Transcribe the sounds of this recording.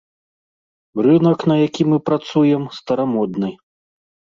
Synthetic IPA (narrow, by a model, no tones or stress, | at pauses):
rɨnɐknɐjakʲimɨpɾat̪sujɛmst̪ɐɾamɔd̪nɨ